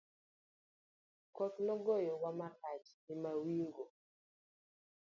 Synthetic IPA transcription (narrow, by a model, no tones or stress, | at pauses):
kɔt̪nɔɡojɔwamakat͡ʃnimawiŋɡo